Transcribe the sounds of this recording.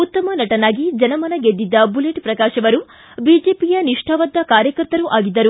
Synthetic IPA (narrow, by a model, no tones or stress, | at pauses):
ut̪ːɐmɐnɐʈɐnaːɡid͡ʒɐnɐmɐnɐɡed̪ːid̪ːɐbuleʈpɾɐkaːʃɐʋɐɾu | biːd͡ʒeːpijɐniʂʈʰɐʋɐd̪ːɐkaːɾjɐkɐɾt̪ɐɾuʔaːɡid̪ːɐɾu